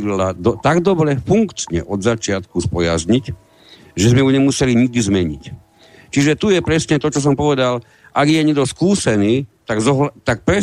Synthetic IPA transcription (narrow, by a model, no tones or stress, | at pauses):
lad̪ɔt̪aɡd̪ɔbɾɛfuŋkt͡ʃɲɛ̰ʔɔd̪zat͡ʃɪat̪kuspɔja̰zɲic | ʒɛzmɛjuɲɛmusɛliɲiɡ̚d̪izmɛɲḭc | t͡ʃiʒɛt̪ujɛpɾɛsɲɛt̪ɔt͡ʃɔs̬ɔmpɔʋɛd̪al | ʔaɡjɛɲɛɡd̪ɔskuːsɛniːt̪aɡzɔɦlt̪ak̚pɾɛ